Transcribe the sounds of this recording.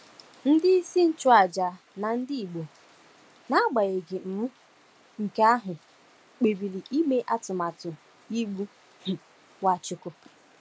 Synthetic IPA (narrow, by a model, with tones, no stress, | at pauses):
n̩˦dɪ˦i˦si˦n̩˦t͡ʃʊ˦a˨d͡ʒa˨ | na˨n̩˦dɪ˦i˨ɡ͡bo˨ | na˦ɡ͡ba˨ɣe˨ɡɪ˨m̩˨m̩˦ | ŋ̩˨ke˦a˦ɦʊ˨ | k͡pe˨bi˨ɾi˨ʔi˦me˦ʔa˦tʊ˨ma˨tʊ˨ | i˦ɡ͡bu˦ | h̩˨ | wa˦t͡ʃʊ˨˦kʊ˦